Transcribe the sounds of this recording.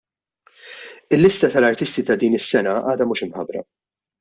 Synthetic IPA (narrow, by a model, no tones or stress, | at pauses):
ɪlːɪst̪ɐt̪ɐlɐɾt̪ɪst̪it̪ɐd̪iːnɪsːɛnɐʔɐːd̪ɐmuːʃɪmħɐbɾɐ̰